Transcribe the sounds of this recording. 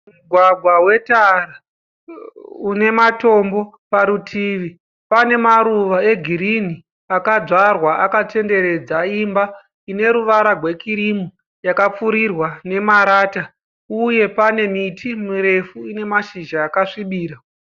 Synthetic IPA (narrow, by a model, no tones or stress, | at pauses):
muɡʱwaɡʱwawe̞tara | une̞mato̞mbo̞ | paɾutʰiːʋi | pane̞maɾuʋae̞ɡʱiɾini | akaʐarwaʔakate̞nde̞ɾe̞d͡zaimba | ine̞ɾuʋaɾarwe̞kiɾimu | jakap͡fuɾirwane̞maɾaːta | uje̞pane̞mitʰimuɾe̞fuine̞maʃiʒaːkaʂiɓiːɾa